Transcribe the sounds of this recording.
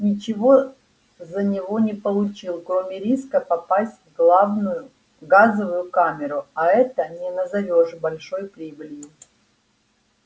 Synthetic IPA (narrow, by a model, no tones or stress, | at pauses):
nʲɪt͡ɕɪvo̞ | zənʲɪvo̞nʲɪpəlˠʊt͡ɕilˠkɾo̞mʲɪɾʲiskəpɐpasʲtʲvɡlˠavnʊjʊ | ɡazəvʊjʊkamʲɪɾʊɐɛt̪ənʲɪnəzɐvʲo̞ʂbɐlʲʂo̞jpɾʲibɨlʲjɪ